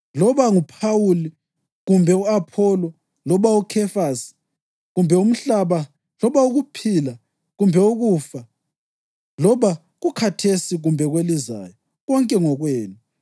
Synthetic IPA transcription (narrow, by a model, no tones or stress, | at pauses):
lɔβaŋupʰawuli | ɣumbʱɛuapʰɔlɔ | lɔβaukʰɛfasi̥ | ɣumbʱɛum̩ɬaβa | lɔβauɣupʰila | ɣumbʱɛuɣuːfa | lɔβa | ɣukʰatʰesiɣumbʱɛɣweliza̰ːjɔ | ɣɔŋkʼɛŋɔɣweːnu